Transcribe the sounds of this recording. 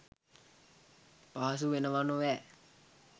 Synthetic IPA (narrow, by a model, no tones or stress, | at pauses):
paɦas̬uʋenəʋanoʋɛ